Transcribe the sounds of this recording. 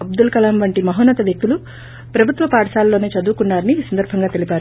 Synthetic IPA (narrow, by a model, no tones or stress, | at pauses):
ɐb̚d̪ulkɐlaːmʋɐɳʈimɐɦoːnːɐt̪ɐʋjek̚t̪ulu | pɾɐbʱut̪ʋɐpaːɽɐʂaːlːoːneːt͡ʃɐd̪uːkuɳɖaːɾɐniːsɐnd̪ɐɾbʱɐŋɡaːt̪e̞lipaːɾu